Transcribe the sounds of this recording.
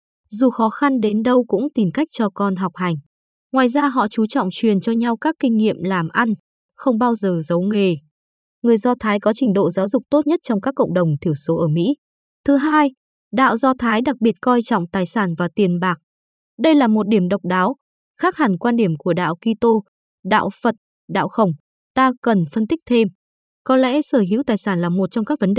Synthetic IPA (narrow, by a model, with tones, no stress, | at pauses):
zu˨˩xɔ˨˦xa˧nɗe˨˦nɗə˧wkʊ̰˧˥ŋ͡mt̪i˨˩mka˦˥jk̟̚t͡ɕɔ˧kɔ˧nɦa˨˩wk͡p̚ha˨˩jŋ̟ | ŋwaː˨jzaː˧ɦɔ̰˧˨t͡ɕu˨˦t͡ɕɔ̰˧˨wŋ͡mt͡ɕwi˨˩ənt͡ɕɔ˧ɲa˧wkaː˦˥kːï˧ŋ̟ŋḭ˧˨əmlaː˨˩mʔa˧n | xə˧wŋ͡mɓaː˧wzəː˨˩zə˨˦wŋe˨˩ | ŋɨ˨˩əjzɔ˧t̪ʰaː˨˦jkɔ˨˦t͡ɕï˨˩ŋ̟ɗo̰˧˨zaː˨˦wzʊ˨˩k͡p̚t̪o˦˥t̚ɲə˦˥t̚t͡ɕɔ˧wŋ͡mkaː˦˥kːə̰˧˨wŋ͡mɗə˨˩wŋ͡mt̪ʰi˧˩əwso˨˦ʔəː˧˩mḭ˧˥ | t̪ʰɨ˨˦ɦaː˧j | ɗa̰ː˧˨wzɔ˧t̪ʰaː˨˦jɗa˨˩k̚ɓi˨˩ət̚kɔ˧jt͡ɕɔ̰˧˨wŋ͡mt̪aː˨˩jsaː˧˩nvaː˨˩t̪i˨˩ənɓaː˨˩k̚ | ɗə˧jlaː˨˩mo˨˩t̚ɗi˧˩əmɗə˨˩wk͡p̚ɗaː˨˦w | xaː˦˥k̚ha˨˩ŋkwaː˧nɗi˧˩əmku˧˩əɗa̰ː˧˨wki˧t̪o˧ | ɗa̰ː˧˨wfə˨˩t̚ | ɗa̰ː˧˨wxə˧˩wŋ͡m | t̪aː˧kə˨˩nfə˧nt̪ï˦˥k̟̚t̪ʰe˧m | kɔ˨˦nlɛ̰˧˥səː˧˩ɦḭ˧˥wt̪aː˨˩jsaː˧˩nlaː˨˩mo˨˩t̚t͡ɕɔ˧ŋ͡mkaː˦˥k̚və˨˦nɗe˨